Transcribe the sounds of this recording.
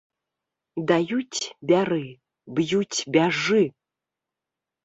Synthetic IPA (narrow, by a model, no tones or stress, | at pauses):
d̪ajut͡sʲbʲaɾɨ | bjut͡sʲbʲaʐɨ